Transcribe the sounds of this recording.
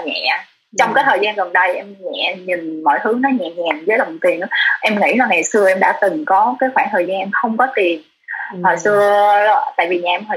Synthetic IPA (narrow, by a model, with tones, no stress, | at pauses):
ɲɛ̰˧˨ʔ | t͡ɕɔ˧wŋ͡mkaː˨˦t̪ʰəː˨˩jzaː˧nɣə˨˩nɗə˧jʔɛ˧mɲɛ̰˧˨ɲï˨˩ŋ̟mɔ̰˧˨jt̪ʰɨ˨˦nɔ˨˦ɲɛ̰˧˨ɲɛ˨˩nzəː˨˦jla˨˩m̚˨˩t̪i˨˩ənʔɨ̰˧˦ʔɛ˧mŋḭ˧˥laː˨˩ŋa˨˩jsɨ˧əʔɛ˧mɗa̰ː˧˥t̪ɨ˨˩ŋkɔ˨˦kaː˨˦jxwaː˧˩nt̪ʰəː˨˩jzaː˧nʔɛ˧mxə˧wŋ͡mkɔ˨˦t̪i˨˩ən | hɔ˨˩jsɨ˧ə˧t̪a̰ː˧˨jvi˨˩ɲaː˨ʔɛ˧mhɔ˨˩